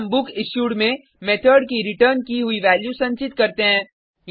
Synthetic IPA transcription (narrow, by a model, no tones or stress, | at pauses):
mbʊkɪʃuːɽmẽ | meːt̪ʰəɾɖkiɾɪʈəɾnkiɦʊiʋɛːljusɐ̃ɲt͡ʃɪt̪kɐɾt̪eɦɛ̃ː | j